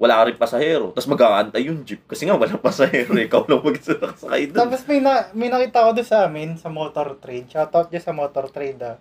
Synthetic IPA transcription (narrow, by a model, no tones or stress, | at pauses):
wɐlaːkɐɾɪŋpɐsɐhɛːɾo̞t̪asmɐɡaːʔɐnt̪ajːʊŋd͡ʒɪp̚kɐsɛŋawɐlaŋpɐsɐhɛːɾoʔɪkawlɐŋmɐɡsɪnɐksɐkɐ̰jd̪oapɐsmɐjnɐmɐjnɐkiːt̪ɐɐkod̪ʊnsɐʔaːmɪnsɐmoːt̪oɾt̪ɾɛd̪̚t͡ʃːt̪ot̪̚d͡ʒɐsɐmoːt̪oɾt̪ɾɛjd̪ɐ